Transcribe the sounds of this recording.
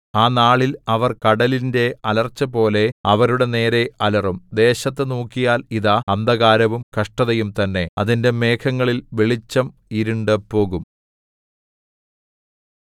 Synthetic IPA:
aːnaːɭilɐʋɐrkɐɽɐlinde̞ɐlɐrt͡ɕːɐpo̞ːle̞ɐʋɐɾuɽe̞ne̞ːɾe̞ɐlɐrumd̪e̞ːɕɐt̪̬ːɨnuːkːijaːliðaɐnd̪ɐɣaːɾɐʋumkɐʂʈɐðɐjumt̪ɐnːe̞ɐðinde̞me̞ːkʰɐŋːɐɭilʋeɭit͡ɕːɐmiɾuɳɖɨpo̞ːɣum

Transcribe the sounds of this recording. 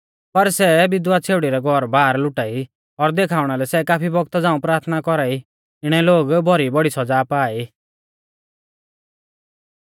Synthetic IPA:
pɐɾsɛbɪd̪wat͡sʰeːʋɽiɾɛɡʱɔɾbaːɾlʊʈai | ɔɾd̪ekʰaːʊɽ̃alɛsɛkaːpʰibɔɡ̚t̪ad͡zãːũpɾaːɾt̪ʰnakɔɾai | ɪɽ̃ɛloːɡbʱɔɾibɔɽisɔd͡zaːpaːi

